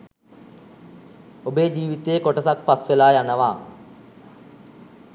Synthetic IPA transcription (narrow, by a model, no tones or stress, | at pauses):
obeːd͡ʒiːʋit̪eːkoʈəsak̚pasʋelaːjanəʋaː